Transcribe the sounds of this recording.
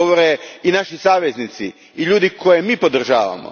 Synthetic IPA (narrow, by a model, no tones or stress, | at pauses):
oʋoɾeinaʃisaːʋeznit̪sḭ | iʎuːd̪ikʰo̞jemiːpo̞d̪r̩ʒa̰ːʋa̰mo̰